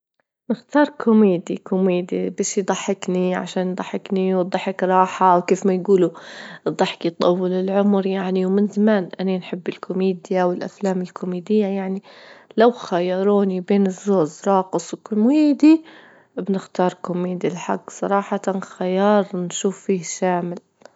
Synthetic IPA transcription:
nɪxt̪ɑːɾˤkʰʊmeːd̪ḭkʊmeːd̪ḭbeːʃjd̪ˤɑħːɪkniʕa̰ʃaːnjd̪ˤɑħːɪkniwd̪ˤɑħɪkɾˤɑːħawkeːfmajɡuːlud̪ˤɑħɪ̥kjt̪ˤɑwːɪlɪlʕʊmɾjaʕniwmɪnzamaːnʔananħɪbːɪlkʰʊmeːd̪jawɪlʔa̰flaːmɪlkʰʊmeːd̪ɪjːajaʕnilawxajɑːɾˤuːnibeːnɪzːoːd͡ʒɾˤɑːqɨsˤwkʊmweːd̪i | bnɪxt̪ɑːɾˤkʊmeːd̪ilħa̰ɡːsˤɑ̰ɾˤɑːħɑt̪anxajɑːɾˤnʃuːfːiːhʃaːmɪl

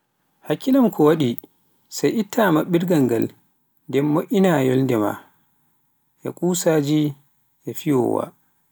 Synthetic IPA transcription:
hakːilamkʰɔwaɗi | sajʔitʰːamaɓiɾɡaŋɡa̰l | ndɛmːoʔinajɔlndɛma̰ | ʔɛ̰kʼusaːd͡ʒi | ʔɛfiwɔ̰wa̰

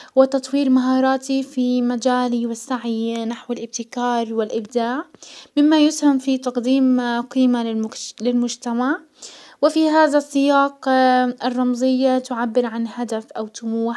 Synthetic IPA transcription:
wɪt̪ɑt̪ˤwiːɾmaɦɑːɾˤɑːt̪ifimad͡ʒaːliwɪsːaʕnaħwɪlʔɪb̚t̪ɪkɑːɾˤwɪlʔɪbd̪aːʕmɪmːajʊshamfit̪ɑqd̪iːmqiːmalɪlmʊd͡ʒt̪amaʕ | wɪfiɦaːðasːɪjɑːqɪrˤːɑmzˤɪjːat̪ʊʕabːɪɾʕanhad̪afʔawt̪ʊmuːħ

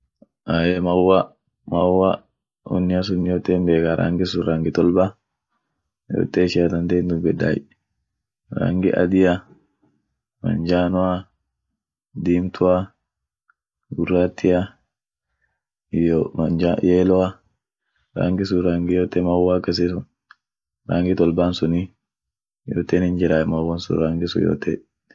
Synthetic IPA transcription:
ʔaːjɛmɐwːa | mɐwːa | ɔ̰nːɪɐs̬ʊnːɪjoːt̪ːeːmbeːkaɾʔa̰ŋɡɪsʊɾaŋɡɪt̪ɔlba | jo̰ːt̪ːeːʃɪjat̪ɐnt̪end̪ʊbɛda̰ːj | ɾa̰ŋɡɪ̰ʔɐ̰d̪ɪja | mɐ̰nd͡ʒaːnɔa | d̪iːmt̪ʰʊa | ɡʊrːaːt̪ːɪa | d͡ʒajeːlɔa | ɾa̰ːŋɡɪsʊɾaːŋɡɪjoːt̪ːɛmɐwːaːkːɐs̬esʊn | ɾa̰ːŋɡɪt̪ɔlbaːnsʊni | jo̰ːt̪ːeːnɪnd͡ʒɪɾaːjmɐwːɐnsʊ̰ɾaːŋɡɪsʊjo̰ːt̪ɛ̰

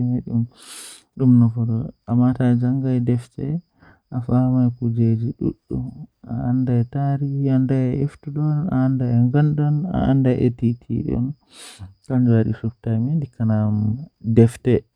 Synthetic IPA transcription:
maɗum | ɗumnɔfɔɾɔamatad͡ʒaŋɡajdɛftɛ | ʔafamajkud͡ʒed͡ʒiɗṵɗːua̰andajtaɾiandaɛɛftuɗɔna̰ːndaɛŋɡanɗɔna̰ʔandajʔetitʰḭɗɔ̰n | kand͡ʒaɗḭsuftajmindikanamdɛftɛ

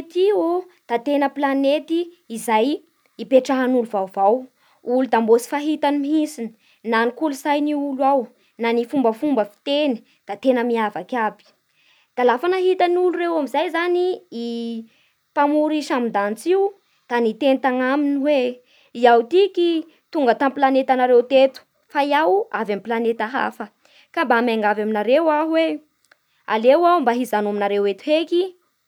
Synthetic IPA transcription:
t̪io | d̪̥at̪enəplanet̪iː | zaj | ipeʈ͡ʂaɦanuluvawvaw | ulud̪ambosi̥faɦit̪animiɦisini̥ | nanikulusajniulwaw | nanifumbəfumbəfi̥t̪eni̥ | d̪̥at̪enəmiavakʲabi̥ | d̪̥alafanaɦit̪aniulurewamizajzaniː | pamuɾiʃamind̪ant͡siu | d̪̥anit̪enit̪aŋaminiwe | iawt̪iki | t̪uŋɡət̪ampilanet̪anaɾewt̪et̪u̥ | fajawavampilanet̪aɦa̰fə | kambamaŋɡavaminaɾewaɦuwe | a̰lewawmbaɦizanoaminaɾewet̪u̥ɦeki

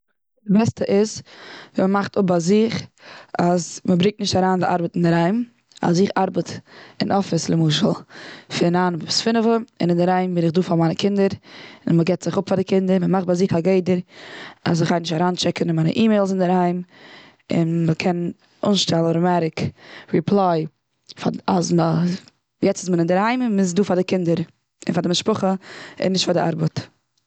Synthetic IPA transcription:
dɪbɛstəʔɪzviːməmaχtʊp̚baɪzɪχasməbɾɪŋk̚tnɪʃtaɾaːndɪʔa̰ɾbətɪndɪɾaɪm | a̰sɪχaɾbətɪnʔɔfɪslˠɪmuːʃəl̩ˠfɪnaːnvʊsfɪnəvəɪ̰nɪndɪɾhaɪmbɪnɪχduːfamaɪnəkʰɪndəɾɪnməɡɛtz̥ɪχʊpfadɪkʰɪndəɾməmaχt̚baɪzɪχaɡeɪdəɾa̰sɪχaɪnɪʃtaɾaːnt͡ʃɛkənmaɪnə̰ʔiːmeɪlˠs̬ɪndɪɾhaɪm | ɪ̰nməkʰɛn | ʊ̰ːnʃtɛlˠɾəmaɾɪkɾipʰlˠaɪ | faasmə | jɛt͡sɪsmənɪndɪɾhaɪmɪmɪzduːfadɪkɪndəɾ | ɪ̰nfadɪmɪʃpʊχəɪ̰nːɪʃtfadɪa̰ɾbət

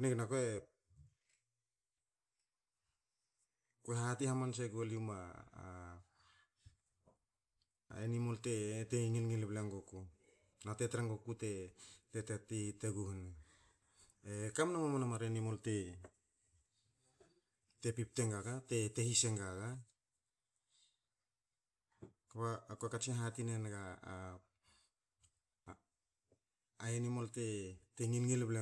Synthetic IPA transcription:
neknakoe | kueɦatihamans̬eɡoljuma̰ | enimo̞lte̞teŋilŋilblaŋɡoku | natetɾaŋɡokute̞tetetiteɡuhun | ekamnamamanamaɾenimo̞lte̞ | te̞pip̚te̞ŋɡaɡate̞te̞hise̞ŋɡaɡa | kaβaːkuakat͡ʃeɦatinenɡa | aenimo̞lte̞teŋilŋilble

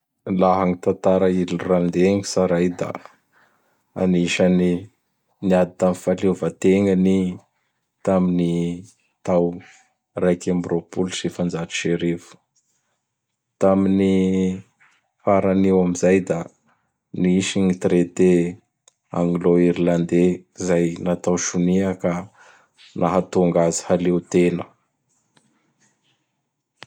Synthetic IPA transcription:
laɦaŋit̪ant̪aɾailiurand̪eŋi̥saɾajd̪a̰ | a̰niʃani | niad̪it̪amfalevat̪eŋəni | t̪amini | t̪aw | rajkambiropulsefand͡zaʈ͡ʂi̥ʃeɾevu̥ | t̪amini | faɾaniwamizajd̪a | niiʃiɲit̪ɾet̪e | a̰ŋɡloiɾiland̪ezajnat̪awʃuniakə | nʔaɦat̪uŋɡazi̥halewt̪enə

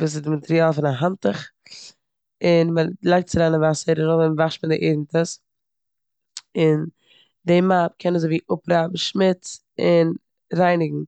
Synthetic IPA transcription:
vuːs̬ɪzdɪmatɛɾiaːlˠfɪnaɦantəχ | ɪnməlˠaɪk̚tt͡sɪɾanəvasəɾəɾʊvɪnvaχʃmɪdɪʔeɪdn̩təs | ɪn | demap̚kʰɛnəzoviːʔʊpɾaːbm̩ʃmɪt͡s | ɪn | ɾaɪnɪɡŋ̩

